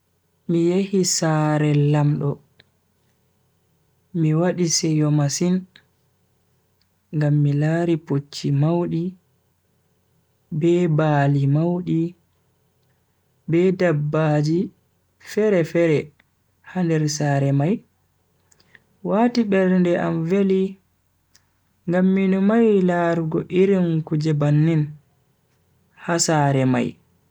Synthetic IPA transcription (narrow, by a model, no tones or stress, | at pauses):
mijehisaɾɛlamɗɔ | miwaɗisɛjɔmasin | ŋɡamːilaːɾipot͡ʃːimawɗi | bɛbaːlimawɗi | bɛdabːad͡ʒi | fɛɾɛfɛɾɛ | handɛɾsaːɾɛmaj | waːtiɓɛɾndɛʔamveli | ŋɡamːinɔmajlaːɾuɡɔʔiɾinkud͡ʒɛbanːin | hasaɾɛma̰j